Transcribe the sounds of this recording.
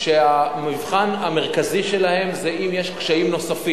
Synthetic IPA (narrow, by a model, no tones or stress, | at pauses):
ʃeamivχaname̞ʁ̞kaziʃe̞lahe̞mzeʔimjeʃkʃaimno̞safi